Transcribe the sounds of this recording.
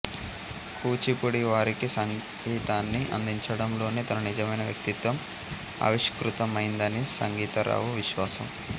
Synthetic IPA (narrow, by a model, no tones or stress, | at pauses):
kuːt͡ʃipuɽiʋaːɾikisɐŋ | ɡiːt̪aːnːiʔɐ̰nd̪iɲt͡ʃɐɽɐmlo̞ːnit̪ɐnɐnid͡ʒɐmɐjnɐʋjɐ̰k̚t̪it̪ʋɐm | ɐ̰ʋiʂkɾut̪ɐmɐjind̪ɐnisɐŋɡiːt̪ɐɾa̰ːʋuʋiʃʋaːsɐm